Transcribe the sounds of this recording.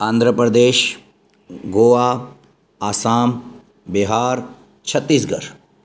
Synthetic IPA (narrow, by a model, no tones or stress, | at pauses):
ãːnd̪ʱɾəpɾəd̪eːʃ | ɡoːaː | aːsaːm | biɦaːɾ | t͡ʃʰɐt̪ːiːs̬ɡɐɾ